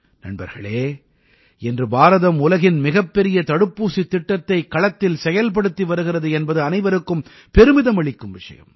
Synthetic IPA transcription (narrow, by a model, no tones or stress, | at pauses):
nɐ̰ɳbɐ̰ɾɣɐ̰ɭeː | ɛndrɯbaːɾɐðɐmʊlɐɣɪnmɪɣɐpːɛɾɪjɐt̪ɐɽɯpːuːsit̪ːɪʈːɐt̪ːɐɪkːɐɭɐt̪ːɪlsɛjɐlp̬ɐɽɯt̪ːiʋɐɾɯɣɪrɐðɯɛnbɐðɯɐnɐɪʋɐɾɯkːɯm | pɛɾɯmɪðɐmɐɭɪkːɯmʋɪʂɐ̰jɐ̰m